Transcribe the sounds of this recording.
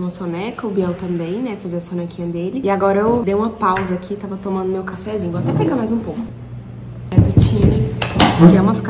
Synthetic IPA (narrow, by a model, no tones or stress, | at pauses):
ũmɐsonɛkɐʊbiɛwt̪ɐ̃mbẽj̃nɛfazeɐsonekĩɲɐd̪elɪɪaɡɔɾɐewd̪ejũmɐpawzɐakit̪avɐt̪õmɐ̃nd̪ʊmewkafɛzĩɲʊvowat̪ɛpeɡamajzũpowkʊ | ɛd̪ʊt͡ʃĩmɪkɪɛũmɐfi̥k